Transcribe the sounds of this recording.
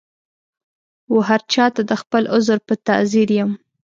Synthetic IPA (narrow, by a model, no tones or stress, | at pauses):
woɦaɾt͡ʃɑt̪ad̪əxpəlʊzɾpət̪a̰ziɾjəm